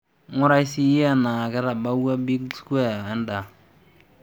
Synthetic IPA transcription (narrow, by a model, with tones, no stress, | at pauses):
ŋʊ˦ɾa˦jsi˦ja˦na˨kɛ˦ta˨ba˦wa˦bi˦ɡskɛ˦˨ɛ˦nda˨